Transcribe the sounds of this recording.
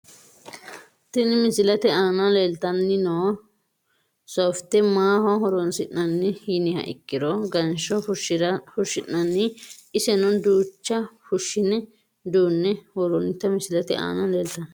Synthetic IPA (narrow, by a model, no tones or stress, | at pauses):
t̪ɪnɪmɪsɪlɐt̪ɛaːnɐleːlt̪ɐnːɪnoː | soft̪ːɛmaːhɔɦɔɾɔnsɪʔnɐnːɪhiːnɪhɐ̰ʔɪ̰kːɪd̪ɔɡɐnʃɔʊʃɪɐhʊʃɪʔːɐnːɪɪsɛnɔd̪uːt͡ʃːɐfʊʃːɪnɛ | d̪uːnːɛhɔɾɔnɪt̪ːɐmɪsɪlɐt̪ɛa̰ːnɐleːlt̪ɐn